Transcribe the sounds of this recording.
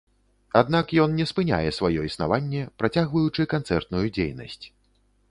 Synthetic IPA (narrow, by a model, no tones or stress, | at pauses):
ad̪nakjɔnnʲɛspɨnʲa̰jɛsvajɔisna̰vanʲːɛpɾat͡sʲaɣvɐjut͡ʂɨkant̪sɛrt̪nujud͡zʲḛjnɐ̰sʲt͡sʲ